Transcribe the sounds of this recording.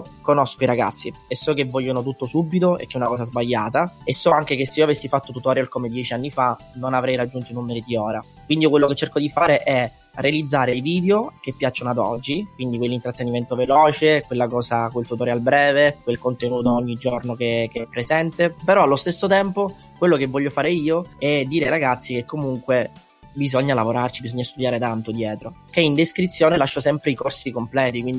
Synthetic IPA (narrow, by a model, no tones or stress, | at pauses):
konɔskoiɾaɡa̰t̪sːiesːɔkevːɔʎːonot̪̬ut̪ːosubːit̪oḛkːɛunakɔːsazbaʎːaːt̪aesːɔaŋk̟ek̟esːeioavesːifat̪ːot̪ut̪ɔɾakomed̪jɛt͡ʃianːifa | nonavɾɛjɾad͡ʒːunt̪oinumːeɾid̪iɔːɾa | kwind̪ikwelːoket͡ʃːerkod̪ifaːɾeʔɛ | realid̪zːaːɾejviːd̪eok̟epːjat͡ʃːonad̪ɔ̰d͡ʒːikwind̪ikwelːint̪ɾat̪ːeniment̪ovelɔːt͡ʃekwelːakɔːzakwelt̪ut̪oːɾealbɾɛːvekwelkont̪enuːt̪oɔɲːid͡ʒornokekeɛpːɾezɛnt̪epeɾɔalːost̪esːot̪ɛmpo | kwelːokevːɔʎːofaːɾeiːoɛd̪ːiːɾeajɾaɡat̪sːikekʰːomuŋkwe | bizɔɲːalavoɾart͡ʃibizɔɲːast̪ud̪jaːɾet̪ant̪od̪jɛːt̪ɾo | k̟eind̪eskɾit̪sːjoːnelaʃːosɛmpɾeikorsikomplɛːt̪ikwind̪i